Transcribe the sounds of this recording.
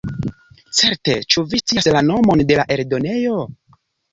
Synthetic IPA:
t͡se̞ɾte̞t͡ʃuvist͡siaslano̞mo̞nde̞laʔe̞ɾdo̞ne̞jo̞

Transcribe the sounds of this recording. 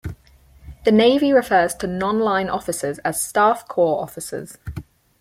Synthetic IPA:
ðəneɪviɹɪfɜːz̥tʰənɒ̃nlãɪ̃nʔɒ̰fɪsəzəz̥stɑˑfkʰɔːɹɒ̰fɪsə̰z̥

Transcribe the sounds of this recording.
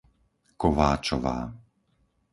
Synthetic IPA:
kɔʋaːt͡ʃɔʋa̰ː

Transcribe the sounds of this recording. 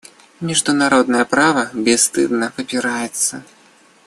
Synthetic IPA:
mʲiʐd̪unaɾɔd̪nɐjɐpɾavɐbʲɛst̪ɨ̰d̪nɐvɨpʲiɾajɛt̪sːɐ

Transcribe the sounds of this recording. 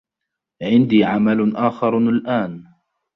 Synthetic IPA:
ʕɪnd̪iːʕamalʔaːxɑɾˤalʔaːn

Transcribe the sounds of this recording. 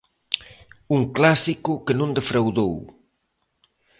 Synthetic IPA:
uŋklasikʊkənõnd̪efɾawðow

